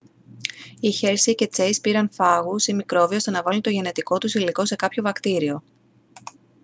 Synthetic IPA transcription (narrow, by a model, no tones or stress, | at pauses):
içe̞ɾsice̞t͡se̞ispiɾɐnfɐɣusimikɾo̞viost̪e̞nɐvɐlunt̪o̞ʝe̞ne̞t̪iko̞t̪usiliko̞se̞kɐpço̞vɐkt̪iɾio̞